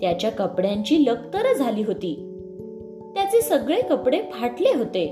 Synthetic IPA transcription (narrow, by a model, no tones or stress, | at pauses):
t̪jat͡ɕjakəpɽjaɲt͡ɕiːləkt̪əɾəd͡zʱaliːɦot̪iː | t̪jat͡seːsəɡɭekəpɽepʰaʈleɦot̪e